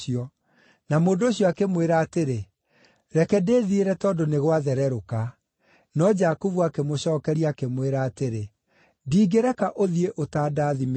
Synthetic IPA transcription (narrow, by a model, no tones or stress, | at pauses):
iɔ | namoːndoːɕiɔakemweɾaːteɾe | ɾɛkɛdeːðieɾɛtɔːndoneɣwaðɛɾɛɾoka | nɔd͡ʒakuvuakemoɕɔːkɛɾiakemweɾaːteɾe | diːɡeɾɛkaʔoðieʔotaːdaːðim